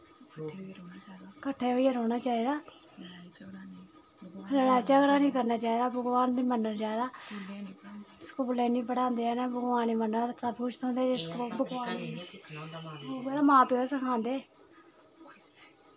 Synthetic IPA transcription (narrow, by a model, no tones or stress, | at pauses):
kəʈʰːeːɦoːiːəɾoːnaːt͡ʃaːiːd̪aː | ɾəɽaːt͡ʃaːɡəɾaːnĩːkəɾnaːt͡ʃaːiːd̪aːbəɡwaːnd̪iːmənəɾt͡ʃaːd̪aː | skuːlɛːnĩːpəɽãːnd̪eːɛːnabəɡʋaːniːmənəɾət̪sʰapʰuːt͡ʃt̪õnd̪eːd͡ʒeskuːlbəɡʋaːni | oːɡeɾaːmãːpeesəkʰãːnd̪eː